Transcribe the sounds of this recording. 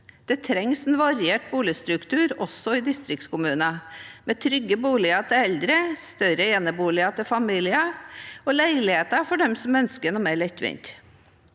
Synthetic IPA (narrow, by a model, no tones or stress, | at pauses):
d̪̥ɛt̪ʰɾɛŋsɛnʋɑɾɪeːʈ̚buːlɪəst̪ɾʉkt̪ʰʉːɾɔsːɔɪd̪ɪst̪ɾɪk̚t̪skʊmʉːnəmeːt̪ʰɾʏɡːəbuːlɪɑt̪ʰɪɛld̪ɾəst̪œɾəɛːnəbuːlɪɑt̪ʰɪlfɑmiːlɪəɔlæɪlɪheːt̪əɾfɔɖɛmsɔmœnskənɔmæːɭɛt̪ʋɪ̰nt̪